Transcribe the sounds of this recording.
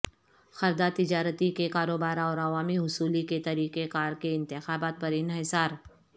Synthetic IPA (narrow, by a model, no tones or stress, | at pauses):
xɐɾd̪at̪ɪd͡ʒaːɾət̪ikekaːɾoːbaːɾɔːɾɐʋaːmiɦʊsuːliket̪ɐɾiːqekaːɾkeɪ̃nt̪ɪxaːbaːt̪̚pɐɾɪnɦɪsaːɾ